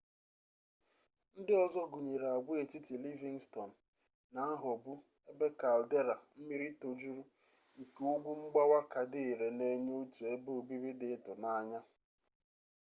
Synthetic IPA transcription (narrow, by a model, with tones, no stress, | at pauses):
n̩˦dɪ˦ɔ˨zɔ˦ɡu˨ɲe˨ɾa˨ɡ͡bʊ˦e˨ti˦ti˨li˦vi˨ŋstɔ˨n̩˨ | na˨a˦ɦɔ˨bʊ˦ | e˦be˦ka˨lde˦ɾa˨m̩˦mi˦ɾi˦to˨d͡ʒu˦ɾu˦ | ŋ̩˨ke˨o˦ɡʷu˦ŋ͡m̩˦ɡ͡ba˦wa˦ka˨dɪ˦i˨ɾe˨ne˦ɲ˦o˦tu˨e˦bo˦o˨bi˦ɾi˦dɪ˨˦tʊ˨na˦ɲa˦